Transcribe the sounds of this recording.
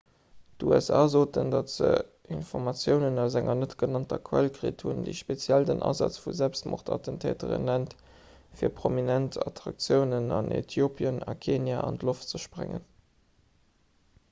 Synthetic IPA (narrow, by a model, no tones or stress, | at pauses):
tuæsa̰ːzoːtəndɑtz̥ə̰ | infɔʁmɑt͡sjəʊnənæʊzæŋɐnətɡ̥ənɑntɐkʰwælkʁeːthundeɪʃpet͡sjældənʔɑ̰zɑt͡sfuzælpstmʔo̰χtʰɑ̰təntʰeːtəʁə̰nlænt | fiːɐpʁominæntɑtʁɑk̚t͡sjəʊnənɑnʔḛtʰjopʰjənɑkʰeːnjaɑntloftt͡səʃpʁeŋən